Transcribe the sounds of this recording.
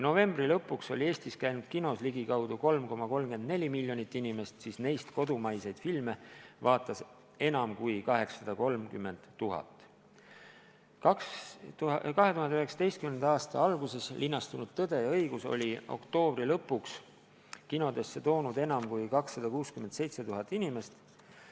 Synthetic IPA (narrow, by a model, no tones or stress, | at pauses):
jno̞ve̞mbrilɤpːˑukso̞lʲie̞ːst̪iskæjnud̪̥kino̞sliɡikɑwd̪uko̞lmko̞mɑko̞lmɡe̞nd̪̚ne̞lʲimilʲjo̞nit̪ːinime̞st̪sisne̞jst̪ko̞d̪umɑjse̞jd̪̥filme̞vɑːt̪ːˑɑs | e̞nɑmkujkɑɦe̞ksːɑd̪̥ɑko̞lmkymːe̞nd̪̥ːuɦɑ̰t̪ːˑ | ɑk | kɑɦe̞t̪uɦɑnd̪eyheksɑ̥t̪e̞jst̪kymnend̪ɑːst̪ɑɑlɡ̥use̞slʔinːɑst̪unud̪̥t̪ɤd̪e̞ɤjɡ̥uso̞̰lʲio̞̰kt̪o̞ːbrilɤ̞pːˑuks | kino̞d̪e̞sːe̞t̪o̞ːnud̪e̞nɑmkujkɑksːɑd̪̥ɑkuːskymend̪se̞jt̪se̞t̪uɦɑt̪ːˑinime̞st̪